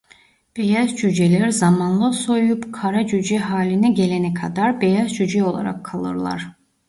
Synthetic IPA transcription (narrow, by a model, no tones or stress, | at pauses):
b̥e̞jazd͡ʒyd͡ʒelʲæɾizamanlˠɯso̞jupkʰaɾad͡ʒyd͡ʒɛɦaːlʲinɛɟelʲenɛkʰad̪aɾbejazd͡ʒyd͡ʒɛo̞lˠa̰ɾa̰kʰːalˠɯ̰ɾlˠa̰ɾ̥